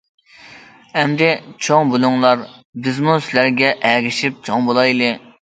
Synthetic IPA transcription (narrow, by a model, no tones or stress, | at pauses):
ɛmd̪ɪt͡ʃʰoŋbulˠuŋlˠɑɾbɪzmusɪlæɾɡʲɛʔæɾɪʃip̚t͡ʃʰoŋbolˠɑjlˠɨ